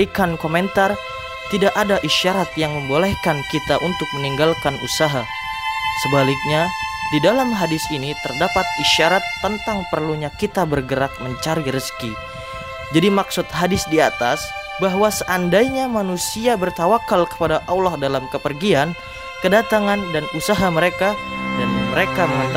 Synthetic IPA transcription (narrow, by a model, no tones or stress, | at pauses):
ikankomɛnt̪ar | t̪idaʔadaʔiʃaɾat̪̚jaŋməmbolɛhkankit̪aʔunt̪ʊk̚məniŋɡalkanusaɦa | səbalɪk̚ɲadidalamɦadɪsinit̪ərdapat̪̚iʃaɾat̪ːənt̪aŋpərluɲakit̪abərɡəɾak̚məɲt͡ʃaɾiɾəski | d͡ʒadimaksʊt̪̚ɦadɪsdiat̪asbaɦwasəʔandajɲamanusiabərt̪awakalkə̥padaʔawlahdalamkəpərɡian | kədat̪aŋandanusaɦaməɾekajanməɾekaməŋat̪